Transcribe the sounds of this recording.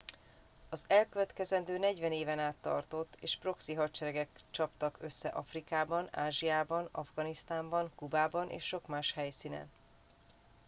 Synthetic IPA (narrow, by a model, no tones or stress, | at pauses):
ɒzɛlkøvɛt̪kɛzɛnd̪øːnɛɟvɛneːvɛnaːt̪ːɒ̰rt̪o̞t̪ːeːʃpro̞ksiɦɒtt͡ʃɛɾɛɡɛk | t͡ʃɒpt̪ɒkøsːɛʔɒfrikaːbɒna̰ːʒijaːbɒnɒvɡɒnist̪aːmbɒŋkubaːbɒnʔḛːʃːo̞kmaːʃhɛjsiːnɛ̰n